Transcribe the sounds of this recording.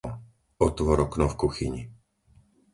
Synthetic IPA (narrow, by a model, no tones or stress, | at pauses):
ɔt̪ʋɔɾɔknɔfkuxiɲi